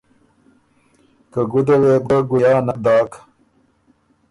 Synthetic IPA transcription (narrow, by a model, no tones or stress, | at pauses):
kəɡud̪ɐweb̚ɡaɡujaːnad̪ɑːk